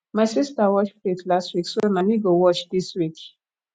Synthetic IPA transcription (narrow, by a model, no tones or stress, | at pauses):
maɪsistawɔt͡ʃflitlastwikswɛmaniɡowɔt͡ʃd̪iswik